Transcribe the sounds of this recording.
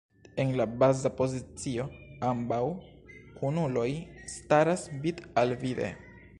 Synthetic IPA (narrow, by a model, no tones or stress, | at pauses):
e̞nlabazapo̞zit͡sio̞ambaw | kʰunulo̞jstaɾasbitalvidḛ